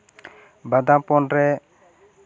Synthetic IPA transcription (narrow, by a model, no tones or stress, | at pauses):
bad̪ãpɔnɾɛ